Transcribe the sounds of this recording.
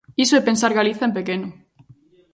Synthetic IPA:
isoepensaɾɣaliθaempekeno

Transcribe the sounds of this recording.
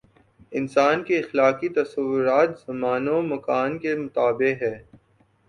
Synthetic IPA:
ɪnsaːnkeɪxlaːkit̪ɐsɐʋːʊɾaːt̪z̥ɐmaːnomɐkaːnkemʊt̪aːbɪɦɛː

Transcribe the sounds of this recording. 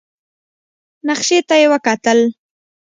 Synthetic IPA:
naxʃet̪ajewəkɑt̪əl

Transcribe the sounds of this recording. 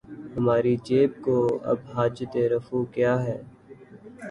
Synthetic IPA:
hɐmaːɾid͡ʒeːb̚koːɐ̰bɦaːd͡ʒt̪eɾəfukjaːɦɛː

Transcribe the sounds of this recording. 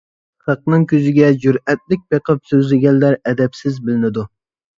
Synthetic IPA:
χɑq̚nɨŋkʲʰøzɪɡʲɛd͡ʒyɾɛt̪̚lɪk̚ʲbeqəp̚søzlɪɡʲɛnːæɾɛd̪ɛpsɪzbɪlɪnɪd̪u

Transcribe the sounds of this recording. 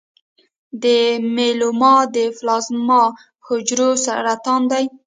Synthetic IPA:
d̪əmelomɑd̪əflɑzmɑ | hʊd͡ʒɾosa̰ɾat̪ɑnd̪aj

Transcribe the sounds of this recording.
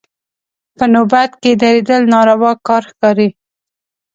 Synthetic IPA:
pənobat̪ked̪aɾed̪əlnɑɾawɑkɑɾxkɑɾi

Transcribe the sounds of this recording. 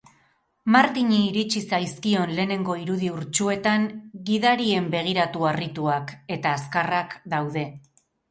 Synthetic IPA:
maɾt̪iɲiːɾit͡ʃisajskio̞nle̞ːne̞ŋɡo̞iɾuðiuɾt͡ʃue̞t̪aŋɡiðaɾie̞mbe̞ɣ̞iɾat̪uarit̪uake̞t̪aːskarakd̪awðe̞

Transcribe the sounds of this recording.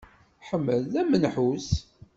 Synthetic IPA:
ħəmːəlðæmənħus

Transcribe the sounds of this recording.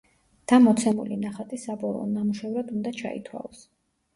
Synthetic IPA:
d̪̥amɔt̪sʰɛmṵlinaχat̪ʼisabɔlˠɔ̰namuʃɛvɾad̪und̪at͡ʃʰa̰ḭt̪ʰwa̰lˠɔs

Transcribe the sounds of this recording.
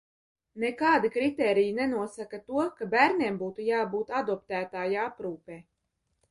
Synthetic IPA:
nekaːd̪ikɾit̪ɛːɾijinɛnuɔsakat̪uɔkabæːɾnʲiɛmbuːt̪ujaːbuːt̪ad̪ɔpt̪æːt̪aːjaapɾuːpɛː

